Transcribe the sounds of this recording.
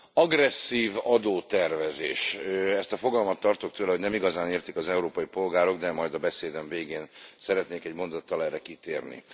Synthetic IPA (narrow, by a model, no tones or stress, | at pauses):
ɒɡrɛsːiːvɒd̪oːt̪ɛrvɛzḛːʃɛst̪ɒfo̞ɡɒlmɒt̪ːɒrt̪ok̚t̪øːlɛɦo̞ɟnɛmiɡɒzaːneːrt̪ikɒzɛuɾoːpɒjipo̞lɡaːɾo̞ɡd̪ɛmɒjd̪ɒbɛseːd̪ɛɱveːɡeːnsɛɾɛt̪neːkɛɟmo̞nd̪ot̪ːɒlɛɾɛkit̪eːrnḭ